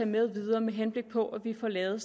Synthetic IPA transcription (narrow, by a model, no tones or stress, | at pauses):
ɛ̰með̞ˠʋiðˠɐːmeɦenb̥le̝ɡ̥̚pʰɒ̽ʔæʋifɒlɛːð̩ˠs